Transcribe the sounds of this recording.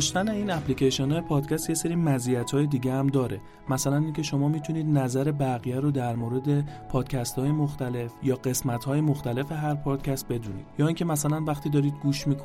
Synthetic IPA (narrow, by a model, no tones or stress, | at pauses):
dʃt̪æne̞iːnæpliceʃionɒːjepʰɒːd̪cʲʰæst̪je̞se̞ɾiːmæzijæt̪ʰhɒːjed̪iːɟeæmd̪ɒːɾe̞ | mæsælæniːncʰe̞ʃo̞mɒːmiːt̪ʰuniːd̪næzæɾe̞bæɣijæɾod̪æɾmoːɾe̞d̪e̞pʰɒːd̪̥cʰæst̪hɒːje̞moxt̪æle̞fjɒːɢe̞smæt̪ʰhɒːjemoxt̪æle̞fe̞ɦæɾpʰɒd̪̥cʰæst̪̚be̞d̪ṵnḭːd̪jɒːiːncʲʰe̞mæsælænvæxt̪iːd̪ɒːɾiːd̪̚ɡuːʃmiːkʰo